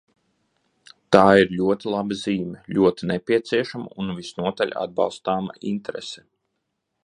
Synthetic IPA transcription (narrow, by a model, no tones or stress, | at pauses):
t̪aːiɾlʲuɔt̪ilˠabɐziːmʲɛʎʲuɔt̪inepʲiɛt̪siɛʃama̰unvisnuɔt̪aʎʲa̰d̪̚bɑ̰lˠst̪aːma̰int̪eɾɛ̰sɛ̥